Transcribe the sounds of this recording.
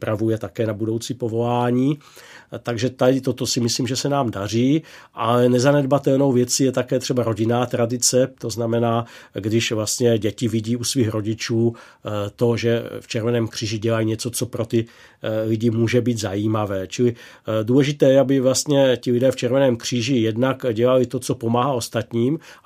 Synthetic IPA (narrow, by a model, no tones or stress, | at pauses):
pɾavujɛt̪akɛːnabudo̞wt͡siːpovo̞laːɲiːt̪aɡʒɛt̪adɪt̪ot̪o̞sɪmɪsliːmʒɛsɛnaːmdar̝iːʔalɛnɛzanɛd̪bat̪ɛlno̞wvjɛt͡sijɛt̪akɛːt̪r̥ɛbaɾo̞ɟɪnaːt̪ɾadɪt͡sɛt̪o̞znamɛnaːɡdɪʃvlast̪ɲɛɟɛcɪvɪɟiːusviːxɾo̞ɟɪt͡ʃuː | t̪o̞ʒɛft͡ʃɛɾvɛnɛːmkr̝̥iːʒɪɟɛlajiɲɛt͡so̞t͡so̞pɾo̞t̪ɪ | lɪɟɪmuːʒɛbiːd̪zajiːmavɛːt͡ʃɪlɪduːlɛʒɪt̪ɛːjɛabɪvlast̪ɲɛcɪlɪdɛːft͡ʃɛɾvɛnɛːmkr̝̥iːʒɪjɛdnakɟɛlalɪt̪o̞t͡so̞po̞maːɦao̞st̪at̪ɲiːm